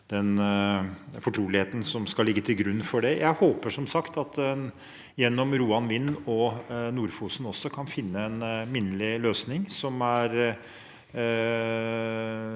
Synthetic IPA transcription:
d̪̥ɛn | fɔʈʰɾuːlɪheːt̪ən̩sɔmskɑlːɪɡːət̪ʰɪlɡɾʉnːfɔɖɛjʔæɪhoːpəʂɔmsɑkt̪ɑt̪ɛ | jɛnːɔmɾuːɑnʋɪnːɔnuːɾfuːsn̩ɔsɔkʰɑnfɪnːəɛnmɪnːəlɪløːsnɪŋsɔmæɾ

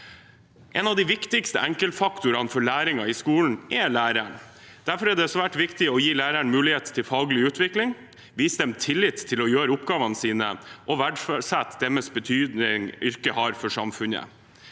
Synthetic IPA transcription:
ʔɛnɑʋd̪ɪʋɪkt̪ɪkst̪əæŋkəlt̪fɑkt̪ʊɾɑnfɔɭæːɾɪŋɑɪskuːln̩ɛɭæːɾæɳ | d̪̥æɾfɔɾɛːɖ̪ɛsʋæːʈʋɪkt̪ɪɔjiːlæːɾæɳmʉːlɪheːt̪t̪ʰːɪlfɑːɡlɪʉːt̪ʋɪklɪŋ | ʋiːsəd̪ɛmt̪ʰɪlːɪt̪ʰːɪlɔjøːɾəʊpɡɑːʋɑnəsiːnə̰ʔɔʋæɖfsæt̪ːd̪ɛməsbət̪ʰyːd̪nɪŋʏɾkəhɑɾfɔʂɑ̰mfʉnə̰

